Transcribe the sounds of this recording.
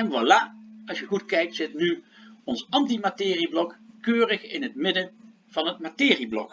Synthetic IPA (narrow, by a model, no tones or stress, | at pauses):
ɛŋʋalaɑsjəχutkɛjk̚tsɪtnyɔnsɑmtimatɪːriblɔkkøːrəχɪnɦətmɪdən | v̥ɑnɦət̚matɪːriblɔ̰k